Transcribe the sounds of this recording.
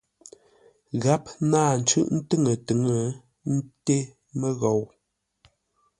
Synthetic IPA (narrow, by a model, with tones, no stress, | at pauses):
ɣa˦p̚naː˦˨n̩˨t͡ʃʉ˦ʔn̩˦tɨ˦˨ŋə˨tɨ˨˦ŋə˦˨ | n̩˦te˦ | mə˦ɣɔ˨w